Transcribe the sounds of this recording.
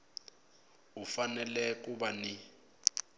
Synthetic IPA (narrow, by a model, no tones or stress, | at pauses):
ufanɛlɛk̬ʼuɓani